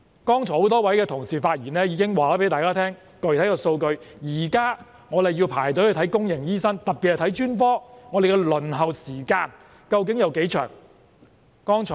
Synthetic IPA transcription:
kɔː˥ŋt͡ʃʰɔː˨˩ho˨˥wt̪ɔː˥wɐ˨˥jkɛː˧t̪ʰʊ˨˩ŋsiː˨faː˧t̚jiː˨˩nɛː˥jiː˨˧kɪ˥ŋwaː˨˩aː˨˥pe˨˥jt̪aː˨jkaː˥t̪ʰɛː˥ŋ | kɵ˨˧ɥt̪ʰɐ˨˥jkɔː˧so˧wkɵ˧ɥjiː˨˩kaː˥ | ŋɔ˨˧le˨ji˧wpʰa̰ː˨˩jt̪o˨˥ɵ˨˧t̪ʰɐ˨˥jkʊ˥ŋjɪ˨˩ŋjiː˥sɐ˥ŋt̪ɐ˨t̚pːi˨hɛ˨˩t̪ʰɐ˨˥jt͡ʃyː˥nfɔː˥ŋɔː˨˧d̪kɛ˧lɵ˨˩nɦɐ˨wsiː˨˩kaː˧n | kɐ˧wk̬ɪ˨˥ŋjɐ˨˧wke˨˥jt͡ʃʰœ̰ː˨˩ŋ | kɔː˥ŋt͡ʃʰɔː˨

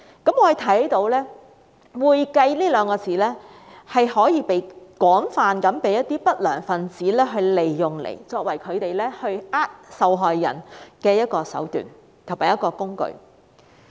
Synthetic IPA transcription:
kɐ˨˥mŋɔː˧˨˧jt̪ʰɐ˨˥jt̪o˨˧˥wlɛː˥ | wuː˨jkɐ˧jliː˥lœː˨˧ŋkɔː˧t͡siː˨˥lɛː˥ | hɐ˨jhɔː˨˥jiː˨˧pe˨˧jkɔː˨˥ŋfaː˨˧nkɐ˨˥mpe˨˥jɐ˥t̪̚iː˥pɐ˥t̚lœː˨˩ŋfɐ˨nt͡siː˨˥lɛː˥ɦɵ˧ɥle˨jːʊ˨˩ŋlḛ˨˩jt͡sɔː˧k̚wɐ˨˩jkʰɵ˨˧t̪e˨jlɛː˥hɵ˧ɥaː˥t̚sɐ˨wɦɔː˨jːɐ̰˨˩nkɛː˧jɐ˥t̚kɔː˧sɐ̰˨˥wt̪y̰ː˨˩n | t̪ʰo˨˩ŋmaː˨˩jɐ˥tkɔː˧kʊ˥ŋkɵ̰˧ɥ

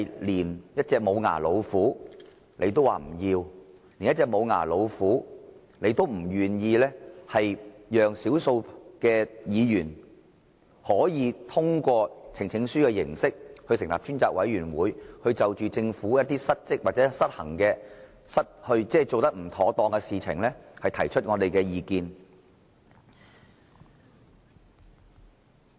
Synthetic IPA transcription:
jliː˨˩njɐ˥t̚t͡sɛː˧k̚mo˨˧wŋa̰ː˨˩lo˨˧wfuː˨˥ | ne˨˧jt̪̬o˥wa̰ː˨m̩˨˩jiː˧wli˨˩njɐ˥t̚t͡sɛː˧k̚mo˨˧wŋa̰ː˨˩lo˨˧wfuː˨˥ | ne˨˧jt̪o˥wm̩˨˩jyː˨˩njiː˧lɛː˥hɐ˨jjœː˨ŋsiː˨˥wso˧wkɛː˧jiː˨˧jyː˨˩n | hɔː˨˥jiː˨˧t̪ʰʊ˥ŋkʷɔː˧t͡sʰɪ˨˩ŋt͡sʰɪ˨˥ŋsyː˥kɛː˧jɪ̰˨˩ŋsɪ˥k̚hɵ˧ɥsɪ˨˩ŋlaː˨p̚t͡ʃyː˥nt͡saː˧k̚wɐ̰˨˥jɥyː˨˩nwuː˨˧˥jhɵ˧ɥt͡sɐ˨wt͡ʃyː˨t͡sɪ˧ŋfuː˨˥jɐ˥t̪̚ːiː˥sɐ˥t̚t͡sɪ˥k̚wa˨t̚t͡sɛ˨˥sɐ˥t̚hɐ̰˨˩ŋkɛː˧ | sɐ˥t̚hɵ˧ɥt͡sɛː˥˨jt͡so˨wt̪ɐ˥k̚m̩˨˩t̪ʰɔː˨˥t̪ɔː˧ŋkɛ˧siː˨t͡sʰɪ̰˨˩ŋlɛ˥hɐ˨jt̪ʰɐ˨˩jt͡ʃʰɵ˥t̚ŋɔː˨˧d̪e˨jkɛː˧jiː˧kiː˧n

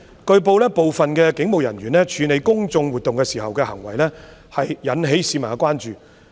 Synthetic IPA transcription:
kɵ˧ɥpo˨˧wlɛː˥po˨wfɐ˨nkɛː˧kɪ˨˥ŋmo˨wjɐ̰˨˩nɥyː˨˩nlɛː˥t͡ʃʰyː˨˧ne˨˧jkʊ˥ŋt͡sʊ˧ŋwuː˨t̪ːʊ˨ŋkɛː˧siː˨˩ɦɐ˨wkɛː˧hɐ˨˩ŋwɐ˨˩jlɛː˥ | hɐ˨jjɐ˨˥nɦe˨˥jsiː˨˥maː˨˩kʷwʷaː˥nt͡ʃyː˨

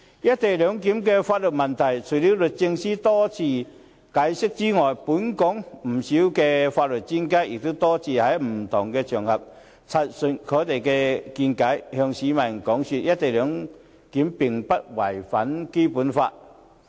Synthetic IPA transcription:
jɐ˦˥t̚t̪e˨jlœː˨˧˦ŋki˨˥mkɛ˧faː˧t̚lʊ˨t̚mɐ˨˩nt̪ʰɐ˨˩jt͡sʰu˨˩li˨˥wlɵ˨˩t̚t͡sɪ˧ŋsi˥t̪ɔː˦˥t͡sʰiː˧ | kaː˨˥jsɪ˥k̚t͡si˥ŋɔː˨˩jpuː˨˥nkɔ˨˥ŋm̩˨˩si˨˦˥wkɛ˧faː˧t̚lɵ˨t̚t͡ɕi˥nka˥ɪ˨k̚t̪o˥t̪ɔː˥t͡sʰiː˨˩hɐ˨˦jm̩˨˩t̪ʰʊ˨˩ŋkɛ˧t͡ɕʰœː˨˩ŋhɐ˨p̚ | t͡sʰa˧t̚sə˨˧˩n̚kʰɔː˨˥t̪e˨jkɛː˧ki˧nka˨˥jhœ˧ŋsiː˨˥mɐ˨˩nkɔː˨˥ŋsy˧t̚jɐ˦˥t̚t̪e˨˩lœː˨˧˥ŋ | ki˨˥mpɪ˨˩ŋpɐ˦t̚wɐ˨˩jfɐ˨˦˥nke˥pu˨˥nfa̰ː˧t̚

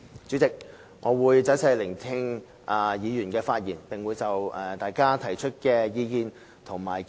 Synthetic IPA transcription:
t͡syː˨˥t͡sɪ˨k̚ | ŋɔː˨˧wuː˨˧jt͡sɐː˨˥sʰɐ˧jlɪ˨˩ŋt̪ʰɪ˧ŋ | ʔa˨˧jiː˨˧jyː˨˩nkɛː˧faː˧t̚jiː˨˩npɪ˨ŋwuː˨˧jt͡sɐ˨wɛ˨˧t̪aː˨jkaː˥t̪ʰɐ˨˩jt͡ʃʰɵ˥t̚kɛː˧jiː˨˧kiː˨˧n | t̪ʰʊ˨˩ŋmaː˨˩j

